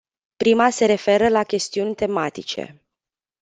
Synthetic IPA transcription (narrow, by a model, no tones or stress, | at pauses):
pɾimase̞ɾe̞fe̞ɾəlakʲe̞st̪iunʲt̪e̞mat̪it͡ʃe̞̰